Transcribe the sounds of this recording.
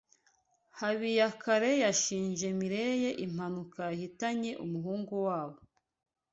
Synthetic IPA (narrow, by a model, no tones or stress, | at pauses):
haβijakaɾe̞jaʃiːɲʒe̞miɾe̞je̞ʔim̥anukajahitaɲe̞ʔumuɦuːŋɡuwaːβo